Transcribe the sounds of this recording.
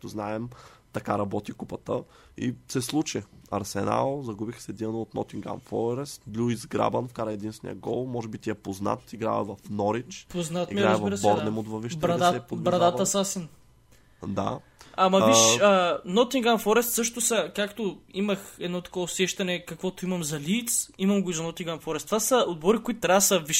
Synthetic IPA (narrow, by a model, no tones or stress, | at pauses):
kt̪oznaɛmt̪ɐkaɾɐbɔt̪ikupɐt̪ə | ḭsɛslˠut͡ʃɛɐ̰ɾsɛna̰lˠzɐɡubixsɛd̪iɐnoot̪nɔ̰t̪iŋɡa̰mfɔɾɛst̪lʲuizɡɾa̰bɐnfkaɾəɛd̪insvɛnḭjɐ̰ɡɔ̰lˠmɔʒɛbit̪iɛpozna̰t̪iɡɾa̰vɐ̰vɐfnɔɾit͡ʃpoznat̪imiɡɾɾɐɛzviɾəsbɔɾnɛmod̪vɐviʃt̪bɾɐd̪aɛpod̪vbɾɐd̪aɐsasɛn | d̪a̰ | amɐviʃənɔt̪iŋɡamfɔɾɛst̪sɤʃt̪ʊsɐkakt̪oimɐxɛd̪nɔt̪ɐ̥kɔvʊsɛʃt̪ɐnɛkɐkvɔt̪ʊimɐmzɐlit̪simɐmɡʊizɐnɔt̪iŋɡamfɔɾɛst̪vasɐod̪̚bɔɾikʊit̪ʊt̪ɾʲavəsɐviʃ